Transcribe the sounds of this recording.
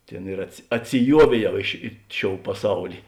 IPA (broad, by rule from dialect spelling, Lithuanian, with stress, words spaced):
ˈtʲeːn ɪr ɐtʲsʲɪˈjuɔʋʲeːˌjɛʊ ɪ ʃʲɪ ˈɪ ˌʃʲoːʊ pɐˈsɐʊlʲɪ